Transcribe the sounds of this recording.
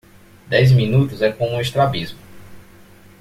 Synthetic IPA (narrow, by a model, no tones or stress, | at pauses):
d̪ɛjzmĩnut̪ʊzɛkõũeʃt̪ɾabizmʊ